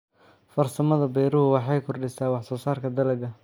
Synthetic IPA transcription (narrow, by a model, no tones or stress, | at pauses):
fɐrsɐmɐðɐbɛjɾʊɦʊwɑħɑjkʰʊrɖɪsaːwɑħsɔːsaːrkʰɐd̪ɐlɐɡɐ